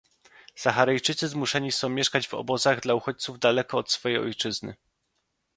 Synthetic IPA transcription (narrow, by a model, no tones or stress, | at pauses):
saxaɾajt͡ʂɘt̪sɘzmuʂɛɲisɔ̃w̃mʲjɛʂkad͡ʑvɔ̰bɔzaɣd̪lauxɔt͡ɕt̪suvd̪alɛkɔːt̪sfɔjejɔ̰jt͡ʂɘznɘ̰